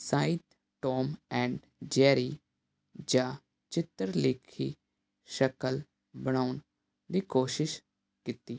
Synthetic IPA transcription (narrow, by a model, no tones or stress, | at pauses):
saːit̪ | ʈoːmɛ̃ːɳɖ | d͡ʒɛːɾiː | d͡ʒãː | t͡ʃɪt̪ːəɾlɪːkʰiː | ʃəkəl | bəɽ̃aːʊn | d̪iːkoːʃɪʃ | kɪt̪iː